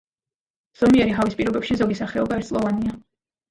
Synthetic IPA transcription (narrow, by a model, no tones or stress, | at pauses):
z̥ɔmiɛɾiɦavispʼiɾɔbɛpʃizɔɡisaχɛɔbaɛɾt̪sʼlˠɔvania